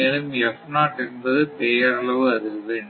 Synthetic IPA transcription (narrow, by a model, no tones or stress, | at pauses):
eːlɯmjɛfnaːʈɪɾɯnbɐðɯpeːjɐɐɭɐʋɯɐðɯɣɯʋeːɳɖ